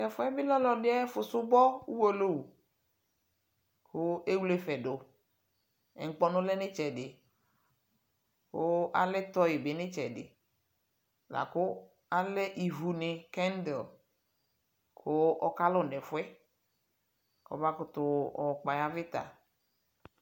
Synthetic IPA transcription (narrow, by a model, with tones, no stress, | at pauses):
ɛ˨fʊ˦ɛ˦bɪ˦lɔ˦lɔ˨dɪ˦ɛ˦fʊ˨sʊ˦bɔ˦u˦wo˦lo˦wu˨ | kʰo˦e˦wle˦fɛ˨ɖo˨ | ɛ̰˨ŋ̩˨˦k͡pɔ˦nʊ̃˦lɛ˦nɪ˦t͡ʃɛ˨dɪ˨ | ko˦a˨lɛ˦t̪ɔ˦je˨be˨˦nɪ̃˦t͡ʃɛ˨dɪ̰˨ | la̰˨ko˦ | a˦lɛ˦ʔi˨vu˨ne˨kɛ˦n˦de˨l | kʰo˦ɔ̰˦ka˦lo˦˨nɛ˨fʊ˦ɛ˦ | kɔ̰˨ba˦kʊ˨t̪ʊ˨ɔ˨k͡pa˨ja˦vɪ˦t̪a̰˨